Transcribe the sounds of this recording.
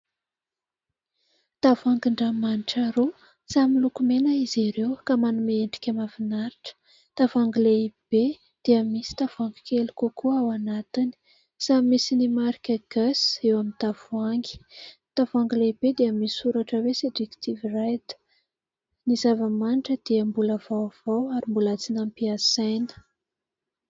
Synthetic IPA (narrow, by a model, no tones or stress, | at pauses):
t̪avuaŋɡiɳɖ͡ʐamaniʈ͡ʂaɾu | samilukumenaiziɾewkamanumeeɳɖ͡ʐi̥kʲəmavinaɾiʈ͡ʂə̥ | t̪avaŋɡileib̥e | d̪̥eəmisi̥t̪avuaŋɡi̥kelukokʰuawanat̪ini̥ | saimisinimaɾikʲəɡ̥asewamint̪avuaŋɡi̥t̪avaŋɡileibed̪eamiuɾaʈ͡ʂəwesed͡ʒekt̪ʰivirajd̪ə̥ | nizavəmanʈ͡ʂəd̪̥iəmbuləvawv̥awaɾimbulat͡sinampiasajnə̥